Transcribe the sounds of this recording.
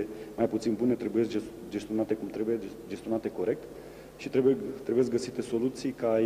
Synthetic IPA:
emajput̪sinbune̞t̪ɾe̞bujeskd͡ʒe | d͡ʒest̪io̞nat̪e̞kumt̪ɾe̞bujed͡ʒe̞st̪io̞nat̪e̞ko̞ɾe̞k̚t̪ | ʃit̪ɾebut̪ɾebujek̚ʲɡəsit̪e̞so̞lut̪sijka

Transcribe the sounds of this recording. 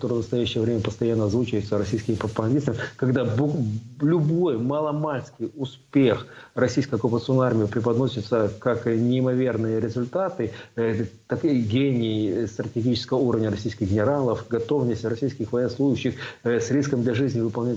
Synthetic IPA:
t̪oɾɨvnəst̪ɐjæɕːɪjəvɾʲemʲəpəst̪ɐjanːəzvut͡ɕəjʊt̪səɾɐsʲijskʲɪmʲɪpɾəpəɡɐndʲist̪əmʲɪkɐɡd̪abʊlʲʊbo̞jmalˠɐmalʲskʲɪjʊspʲexrɐsʲijskəjɐkʊpət̪sɨonːəarmʲɪjɪpɾʲɪpɐd̪nosʲɪt̪səkaknʲɪɪmɐvʲe̞rnɨjəɾʲɪzʊlʲt̪at̪ɨ | t̪akɡʲenʲɪːst̪ɾətʲɪɡʲit͡ɕɪ̥skəvəuɾəvnʲəɾɐsʲijskʲɪxɡʲɪnʲɪɾalˠəfɡɐt̪o̞vnəsʲtʲrɐsʲijskʲɪxvɐjnəslˠujʊɕːɪxsʲɾʲiskəmd̪lʲɐʐɨzʲnʲɪvɨpɐlˠnʲɪ

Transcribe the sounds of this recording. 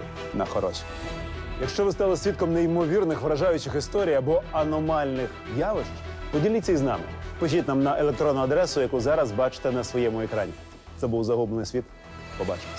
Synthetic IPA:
nɐxɔɾɔʃi̥ | jɐkʃt͡ʃɔʋɪst̪ɑlˠɔsʲʋʲit̪̚kɔmneimɔʋʲirnɪxʋɾɐʒɑjʊt͡ʃɪxɪst̪ɔɾʲijɐbɔɐnɔmɑlʲnɪxʲ | jaʋɪʃt͡ʃpɔdʲilʲiːɐiznɑ̰mɪ̰pɔʒʲit̪ʲnamnɐʔelˠekt̪ɾɔnːʊɐd̪ɾɛsʊjɐkuzɑɾɐzbɑt͡ʃɪ̥t̪ɛnɐsʋɔjɛmʊɛkɾɑnʲḭ | t̪sɛbuwzɐɦublenɪsʲʋʲit̪ | pɔbɑ̰t͡ʃɪ̥

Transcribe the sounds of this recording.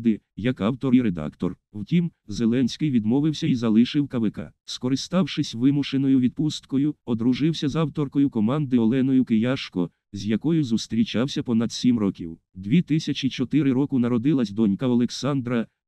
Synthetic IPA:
d̪ɪ | jɐkɑwt̪ɔɾiɾed̪ɑ̰kt̪ɔ̰r | wtʲimzelˠɛnʲsʲkɪjʋʲid̪mɔʋɪwsʲɐizɐlˠɪʃɪwkɐʋɪkɑ̰skɔɾɪst̪ɑwʃɪsʲʋɪmʊʃenɔjʊʋʲid̪̚pust̪kɔjʊɔd̪ɾʊʒɪwsʲɐzɑwt̪ɔrkɔjʊkɔmɑnd̪ɪɔlˠɛnɔjʊkɪjaʃkɔ̰ | zʲjɐkɔjʊzust̪ɾʲit͡ʃɑwsʲɐpɔnɐd̪sʲimrɔkʲḭw | d̪ʲʋʲit̪ɪsʲɐt͡ʃit͡ʃɔt̪ɪɾɪɾɔkʊnɐɾɔd̪ɪlˠɐsʲd̪ɔnʲkɐɔlˠeksɑnd̪ɾɐ

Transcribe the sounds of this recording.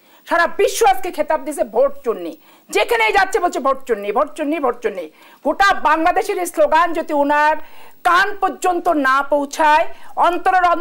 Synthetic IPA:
ʃaɾabiʃːoaskekʰet̪ab̚d̪isʰebʱoʈ̚d͡ʑunːi | d͡ʑekʰenejd͡ʑatːɕʰebolt͡ɕʰebʱoʈ̚d͡ʑunːibʱoʈ̚d͡ʑunːibʱoʈ̚d͡ʑunːi | ɡ̥oʈabaŋlad̪eʃeɾesloɡand͡ʑod̪iunaɾkanpoɾd͡ʑont̪onapowt͡ɕʰaeɔnt̪oɾoɾɔn

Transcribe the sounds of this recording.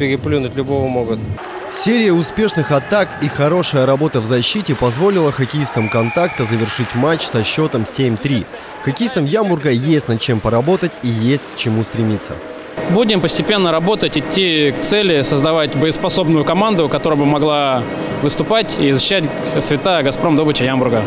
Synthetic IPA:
pʲɪɾʲɪplʲunʊtʲlʲʊbovəmoɡʊt̪̚ | sʲeɾʲɪjəʊspʲe̞ʂnɨxɐt̪akixɐɾo̞ʂəjəɾɐbo̞t̪əvzɐɕːitʲɪpɐzvo̞lʲɪlˠəxɐkʲɪist̪əmkɐnt̪akt̪əzəvʲɪrʂɨtʲmat͡ɕsɐɕːo̞t̪əmsʲemʲt̪ɾʲi | xɐkʲɪist̪əmjambʊrɡəjesʲtʲnɐt͡ɕe̞mpəɾɐbo̞t̪ətʲijesʲtʲkt͡ɕɪmust̪ɾʲɪmʲit̪sːə̰ | budʲɪmpəsʲtʲɪpʲe̞nːəɾɐbo̞t̪ətʲɪtʲːikt̪sɛlʲɪsəzd̪ɐvatʲbəjəspɐso̞bnʊjʊkɐmand̪ʊkɐt̪oɾəbɨmɐɡlˠa | vɨst̪ʊpatʲizəɕːɪɕæt̚ʲ | svʲɪt̪aəɡɐspɾo̞md̪obət͡ɕɪjambʊrɡə

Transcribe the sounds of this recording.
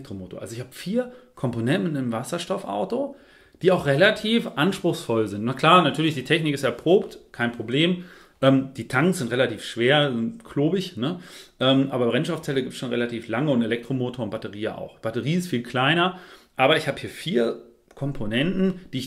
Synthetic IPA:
k̚tʁomoːto̰ɐʔa̰lzoɪçhaːbəfiːɐkʰɔmponɛntn̩ɪnmvasɐʃtɔfʔa̰ʊto | d̥iːaʊxʁelatʰiːfʔanʃpʁ̥ʊxsfɔlzɪntnakl̥aːɐnatʰyːɐlɪçd̥iːtʰɛçnɪkɪstɛɐpʁ̥oːptkʰaɪnpʁ̥obleːm | ʔɛːmd̥iːtʰaŋsz̥ɪntʁelatiːfʃv̥eːɐzɪnkʰloːbɪçnəʔɛːmʔaːbɐbʁɛnʃtɔʊft͡sɛləɡiːp̚tt͡ssʃoːnʁḛlatiːflaŋəʊntelɛk̚tʁ̥omoːtʰoːɐʊnt̚b̥atəʁiːəa̰ʊxb̥atəʁiːɪstfiːlkʰl̥aɪnɐʔaːbɐɪçhaːbəhiːɐfiːɐ | kʰɔmpʰonɛntn̩d̥iːɪç

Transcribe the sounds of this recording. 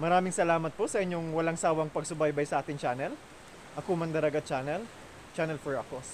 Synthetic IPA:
mɐɾaːmɪŋsɐlaːmɐt̪̚posɐʔɪɲɲoŋwɐlaŋsaːwɐŋpɐɡ̚sʊbajbɐjsɐʔaːt̪ɪŋt͡ʃaːnɛl | ʔɐkomɐnd̪ɐɾɐɡat͡ʃaːnɛl | t͡ʃaːnɛlfɛɹɐkos

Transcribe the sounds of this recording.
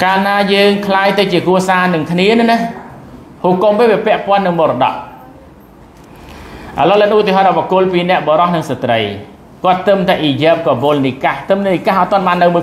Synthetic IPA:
kaːlnaːjəːŋkʰlaːjt̪ɨwt͡ɕiəkɾuəsaːnɨŋkʰniənɨna | huːkomeːʋiəpɛ̆əʔpŏənːɨŋɓoːɾɔɗɑ̰ʔ | ʔa̰loːlənʔut̪iəɦɑːt̪̚ɔʋokʊ̆əlpiːnɛ̆əʔɓɔɾɑhnɨŋsat̪rəj | kŏət̪ːɨmt̪aɛʔiːjɛːp̚kɔɓoːlnikaht̪ɨmnnikahʔaːt̪ŏənɓaːnːɨwmuə

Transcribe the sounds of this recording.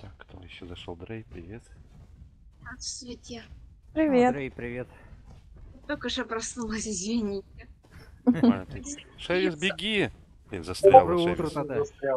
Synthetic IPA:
t̪akːt̪ʰo̰jɪɕːozɐʂolˠd̪ɾejpɾʲɪvʲet̪ | asʲvʲɪt̪ʲepɾʲɪvʲet̪ejpɾʲɪvʲet̪ | t̪okəʐɨpɾɐsnulˠəsʲɪzʲvʲɪnʲitʲɪ | t̪ʂɛvʲɪzbʲɪɡʲi | zɐst̪ɾa̰əut̪ɾət̪ɐd̪aɾʲa

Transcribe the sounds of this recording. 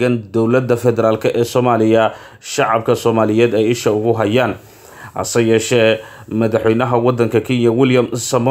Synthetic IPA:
ɐnd̪ɔwlɐd̪ɐfɛðɛɾaːlkʰɐʔɛːsɔːmaːlɪjɐ | ʃɑʕɑb̚kʰɐsɔːmaːlɪjɛːd̪ɛjɪʃɐʊɣʊɦɐjaːn | ʔɐ̰sɐjɛːʃɛːmɐðɑħwɛjnɐɦɐwɑd̪ːɐŋkʰɐkʰiːnjɐwɪljɐmsɐm

